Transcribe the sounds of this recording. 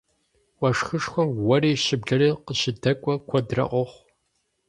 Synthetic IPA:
ɔʂxɨʂxʷɔmwɐriːʃɪbɮɐriːqəɕɪdʰɐkʷʼɔkʷʰɔdrɐ̰ʔʷɔχʷ

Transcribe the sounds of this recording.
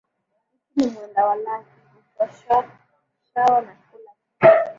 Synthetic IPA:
ikinimɛndawalaki | ikaʃa | ʃawanakula

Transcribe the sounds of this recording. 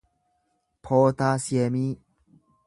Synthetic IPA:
pʰot̪asjemi

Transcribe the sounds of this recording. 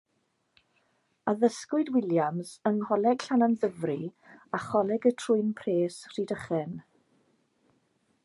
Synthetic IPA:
aðəskʊɨdwɪljamsənhɔlɛɡ̥ɬananðəvri | aχɔlɛɡətʰrʊɨnpʰreːsr̥iːdəχɛn

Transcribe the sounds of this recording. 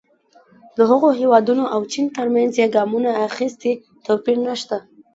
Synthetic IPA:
d̪əɦəɣoɦewɑd̪unoʔawt͡ʃint̪əɾmanzjeɡɑmunaːxist̪i | t̪opiɾnaʃt̪a

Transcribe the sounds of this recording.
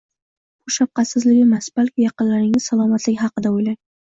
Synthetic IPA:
bʊʃap̚qɑt̪sɪzlɪɡʲɪmasb̥alkʲɪjɑqɨnlaɾnɪŋɪzsalˠɒmat̪lɪkʲhɑqɨd̪aojlaj

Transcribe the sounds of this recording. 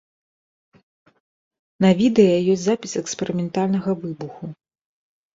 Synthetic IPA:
nɐvʲid̪ɛjɐjɔsʲzapʲisɛkspɛɾɨmʲɛnt̪alʲnɐɣɐvɨbuxu

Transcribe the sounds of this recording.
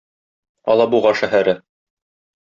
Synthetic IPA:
ɒ̰lˠɑbuʁɑʃæɦæɾɘ

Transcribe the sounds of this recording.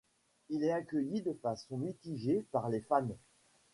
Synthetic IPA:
ilɛtakʲəjid̪əfasɔ̃mit̪iʒepaʁlefam

